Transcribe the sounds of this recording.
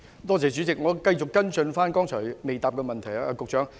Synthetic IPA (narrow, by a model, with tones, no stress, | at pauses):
t̪ɔː˥t͡sɛː˨˩t͡ʃy˨˥t͡sɪ˨k̚ŋɔː˨˧kɐ˧jt͡sʊ˨kːɐ˥nt͡sɵ˧nfaː˥nkɔː˥ŋt͡sʰɔː˨˩jme˨jt̪aː˨p̚kɛ˧mɐ˨nt̪ʰɐ˨˩ja˧kʊ˨k̚t͡ʃœː˨˥ŋ